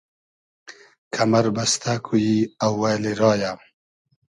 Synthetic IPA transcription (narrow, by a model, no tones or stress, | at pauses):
kʰamaɾbɐst̪ʰakʰujiawːaleɾɑːja